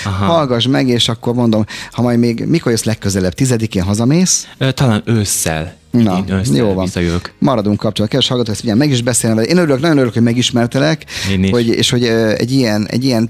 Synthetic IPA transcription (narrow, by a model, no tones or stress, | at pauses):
ɦhɒlɡɒʒmɛɡeːʃɒkːo̞rmo̞nd̪o̞mhɒmɒj̪meːɡmikorjøslɛkːøzɛlɛbt̪izɛd̪ikeːnɦɒzɒmeːsøt̪ɒlaːnøsːɛ̰l | nnɒøjoːvɒnjøkmɒɾɒd̪uŋkːɒp̚t͡ʃolːt̪ːkɛd̪vɛʃhɒlɡɒt̪oːkɛst̪iɲɟɛmɛɡiʒbɛseːlɛmvɛlʔeːnøɾyløknɒɟjoøɾyløkhomɛɡiʃmɛrt̪ɛlɛkeniho̞ɟḛːʃho̞ɟøɛ̰ɟːijɛnɛ̰ɟːijɛn